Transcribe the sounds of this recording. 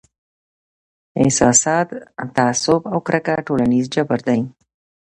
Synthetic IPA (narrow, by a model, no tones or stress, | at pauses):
ɪ̰sɑsɑt̪t̪aasʊbawkɾʔakaʈolanizd͡ʒabaɾd̪aj